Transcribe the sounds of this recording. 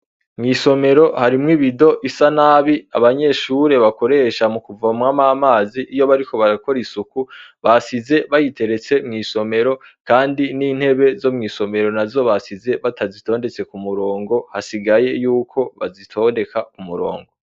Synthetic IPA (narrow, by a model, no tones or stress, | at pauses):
mŋiːso̞me̞ɾo̞haɾimŋiβido̞ʔisanaβia̰βaɲe̞ʃuɾe̞βako̞ɾe̞ːʃamukuvamŋamamaːziʔːjo̞βaɾiko̞βaɾako̞ɾisukuβasize̞βajitʰe̞ɾe̞t͡se̞mŋiːso̞me̞ɾo̞kaːndiniːn̥he̞βe̞zo̞mŋiːso̞me̞ɾo̞nazo̞βasize̞βatʰazito̞ːnde̞t͡se̞kumuɾo̞ːŋɡo̞hasiɡaje̞juːkʰo̞βa̰zitʰo̞nde̞kakumuɾo̞̰ːŋɡo̞